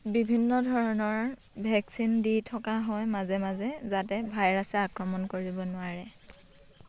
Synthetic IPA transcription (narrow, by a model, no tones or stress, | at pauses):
bibʱinːɔdʱɔɹɔnɔɹ | bʱɛksinditʰɔkaɦɔjmazɛmazɛzatɛbʱajɹasɛakɹɔmɔnkoɹibɔnʊaɹɛ